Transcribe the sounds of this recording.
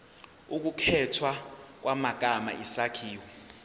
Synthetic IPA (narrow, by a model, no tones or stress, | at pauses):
uk̬ukʰɛtʰwak̬wamak̬ʼama̰ʔisakʰiːwɛ